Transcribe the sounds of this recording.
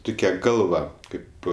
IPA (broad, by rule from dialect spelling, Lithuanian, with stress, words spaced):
ˈtʊkʲɛ ˈɡɐlˠʋɐ ˈkɐɪp